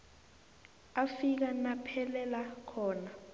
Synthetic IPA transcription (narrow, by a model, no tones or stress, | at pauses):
afik̬anapʰɛlɛlakʰɔːna